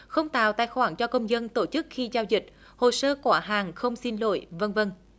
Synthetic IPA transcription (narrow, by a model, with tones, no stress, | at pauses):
xə˧wŋ͡mt̪a̰ː˨wt̪a̰ː˧˨jxwaː˧˩nt͡ɕɔ˧kə˧wŋ͡mzə˧nt̪o˧˩t͡ɕɨ˦˥k̚xi˧zaː˧wzï˨˩k̚ | ho˨˩səː˧kwaː˧˥ɦaː˨˩ŋxə˧wŋ͡msi˧nlo̰˧˨jvə˧nvə˧n